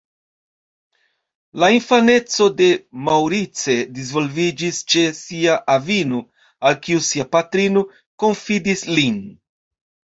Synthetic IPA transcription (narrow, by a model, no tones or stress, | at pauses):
lainfane̞t͡so̞de̞mawɾit͡se̞dizvo̞lvid͡ʒist͡ʃe̞siaʔavino | alkiusiapatɾino̞ | ko̞nfidislin